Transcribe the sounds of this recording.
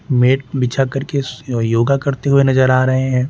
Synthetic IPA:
meːʈ̚bɪt͡ʃʰakɐɾkejoːɡakɐɾt̪eɦʊenɐzəɾaːɾɐɦeɦɛ̃ː

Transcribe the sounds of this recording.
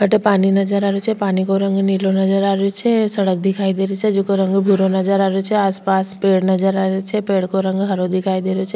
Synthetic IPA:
ɦəʈepaːninɐd͡ʒəɾaːɾot͡ʃʰepaːnikoɾə̃ŋɡnilonəd͡ʒəɾaːɾet͡ʃʰɛsəɽək̚d̪ɪkʰaːid̪eɾit͡ʃʰed͡ʒʊkoɾə̃ŋɡbʱuɾonəd͡ʒəɾaːɾot͡ʃʰɛaːspaːspeːɽnɐd͡ʒəɾaɾet͡ʃʰepeːɽkoɾə̃ŋɡɦɐɾod̪ɪkʰaːid̪eɾot͡ʃʰe

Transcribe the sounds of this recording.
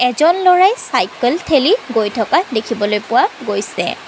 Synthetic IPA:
ɛzɔnlɔɹajsajkəltʰeliɡojtʰɔkadekʰibɔlojpʊwaɡojsɛ̰

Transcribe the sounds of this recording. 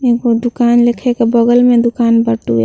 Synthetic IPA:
eɡod̪ukaːnlekʰekebɔɡəlmẽd̪ukaːnbəʈṵɛ̰

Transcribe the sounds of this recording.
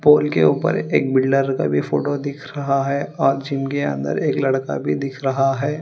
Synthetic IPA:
poːlkḛuːpə̰ɾeːk̚bɪlɖəɾka̰bʱifoːʈod̪ɪkʰɾɐɦaɦɛɔːɾd͡ʒiːmkeɐ̰̃nd̪ə̰ɾeːklɐɽka̰bʱid̪ɪkʰɾɐɦaɦɛː

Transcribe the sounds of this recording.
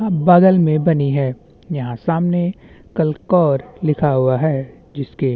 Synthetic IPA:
aːbaːɡəlmẽbɐniɦɛː | jɐɦãsaːmne | kɐlkɔːɾlɪkʰaɦʊaɦɛː | d͡ʒɪske

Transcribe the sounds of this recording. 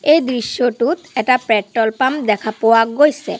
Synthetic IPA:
ejd̪ɾiʃːoʈut̪ɛk̚ʈapɾɛʈːolpamd̪ɛkʰapowaɡojse

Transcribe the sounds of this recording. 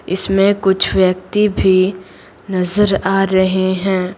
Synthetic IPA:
ɪsmẽkʊt͡ʃʰʋjɐk̚t̪ibʱi | nɐzəɾaːɾɐɦeɦɛ̃ː

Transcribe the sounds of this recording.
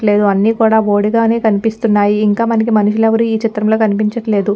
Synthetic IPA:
ʈle̞ːd̪uɐnːiːkuːɽaːo̞ːɽiɡaːne̞ːkɐnipist̪unːaːjiːŋkaːmɐnɐk̬imɐnuʃileʋɐɾuiːt͡ʃit̪ɾɐmlo̞ːkɐnipiɲt͡ʃɐʈle̞ːd̪u

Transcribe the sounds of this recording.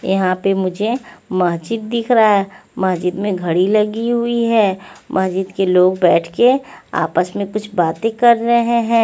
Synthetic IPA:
jɐ̰ɦãpemʊd͡ʒʱemɐsd͡ʒəd̪̚ːɪkʰɾaemɐsd͡ʒəd̪mẽɡʱɐɽilɐɡiɦʊiɦɛːmʔɐsd͡ʒəd̪keloːɡbɛːʈʰkea̰ːpəsmẽkʊt͡ʃʰbaːt̪ẽkɐɾːɐɦeɦɛ̃ː

